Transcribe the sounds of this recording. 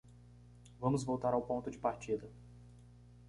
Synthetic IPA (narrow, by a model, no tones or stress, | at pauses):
vɐ̃mʊzvowt̪aɾawpõnt̪ʊd͡ʒɪpaɾt͡ʃid̪ɐ